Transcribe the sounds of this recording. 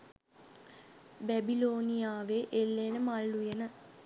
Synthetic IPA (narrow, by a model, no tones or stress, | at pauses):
bæbiloːnijaːʋeʔelːenəmalːujenə